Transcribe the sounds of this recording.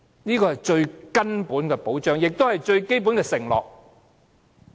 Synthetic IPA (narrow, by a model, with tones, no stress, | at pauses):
niː˥kɔː˧hɐ˨jt͡ʃɵ˧ɥkɐ˥npuː˨˥nkɛː˧po˨˥wt͡ʃœː˥ŋjɪ˨k̚t̪o˥whɐ˨jt͡ʃɵ˧ɥke˥jp̬u˨˥nkɛː˧sɪ˨˩ŋlɔ̰ː˨k̚